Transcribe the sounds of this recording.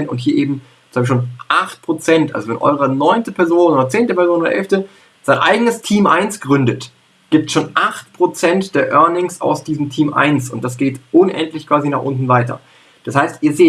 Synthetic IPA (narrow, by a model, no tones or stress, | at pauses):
nʊ̰nthiːɐʔeːbm̩̥ | aːɡʃoːnʔaχt̚pʁ̥ot͡sɛntʔa̰lzovɛ̰nʔɔ̰ʏʁənɔʏntəpʰɛɐzoːnʔoːdɐt͡seːntəpɛɐzoːnodɐ̰ʔɛ̰lftə | z̥aɪnʔa̰ɪɡənəstʰiːmʔaɪnsɡ̥ʁʏndət | ɡ̥iːp̚tʃoːnʔaχt̚pʁ̥ot͡sɛntd̥eːɐʔœɐnɪŋsa̰ʊsd̥iːzəmtʰiːmʔa̰ɪnsʊnt̚d̥asɡ̥eːtʔʊnʔɛ̰ntlɪçkv̥aːzinaːχʔʊntn̩vaɪtʰɐ̰ | d̥ashaɪstʔiːɐzeː